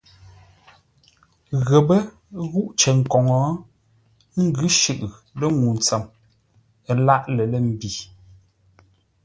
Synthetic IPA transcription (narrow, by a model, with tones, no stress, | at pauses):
ɣə˨bə˦ | ɣu˦ʔt͡ʃə˨ŋ̩˨kɔ˨ŋɔ˨˦ | ŋ̩˦ɡʉ˦ʃʉ˦˨ʔlə˦ŋu˨n˨t͡sə˨m | ə˨la˦˨ʔlə˨lə˦˨m̩˨bi˨